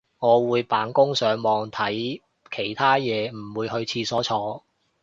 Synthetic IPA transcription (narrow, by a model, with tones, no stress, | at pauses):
ŋɔː˨˧wuː˨˧jpaː˨˥nkʊ˥ŋsœː˨˥ŋmɔː˨˧ŋt̪ʰɐ˨˥j | kʰe˨˩jt̪ʰaː˥jɛː˨˧m̩˨˩wuː˨˧jɦɵ˧ɥt͡sʰiː˧sɔː˨˥t͡ʃʰɔː˧